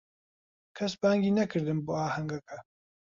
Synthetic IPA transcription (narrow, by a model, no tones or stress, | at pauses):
kʰɐsbaːŋɡiːnɐkʰɨɾd̪ɨnboːaːhɐŋɡɐkɐ